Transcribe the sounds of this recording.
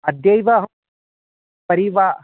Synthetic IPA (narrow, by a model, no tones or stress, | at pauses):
ɐd̪jɐjʋaɦ | pɐɾiʋa